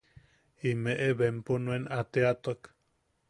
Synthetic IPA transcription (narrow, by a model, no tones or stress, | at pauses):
imeʔeβemponũenat̪eat̪ok